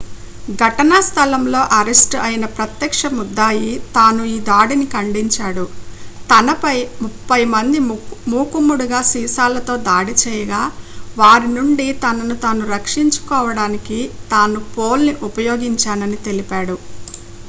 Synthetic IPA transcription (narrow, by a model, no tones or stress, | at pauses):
ɡʱɐʈɐnaːst̪ʰɐlɐmlo̞ːʔɐɾesʈɐjinɐpɾɐt̪jɐkʂɐmud̪ːaːjit̪aːnuiːd̪aːɽinikɐɳɖiɲt͡ʃaːɽut̪ɐnɐpɐjmupːɐjmɐnd̪imuːkumːuɽuɡaːsiːsaːlɐt̪o̞ːd̪aːɽit͡ʃɛːjɐɡaːʋaːɾinuɳɖit̪ɐnɐnut̪aːnuɾɐkʂiɲt͡ʃu̥kɔːʋɐɽaːnikit̪aːnupoːlniʔupɐjoːɡiɲt͡ʃaːnɐnit̪e̞lipaːɽu